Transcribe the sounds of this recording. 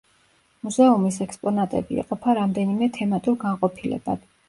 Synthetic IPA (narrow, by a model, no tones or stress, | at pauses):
muzɛumisɛkspʼɔnat̪ʼɛ̰bḭɛ̰qʼɔpʰaɾamd̪ɛnimɛt̪ʰɛmat̪ʼuɾɡaɴqʼɔpʰilɛ̰ba̰d̪̥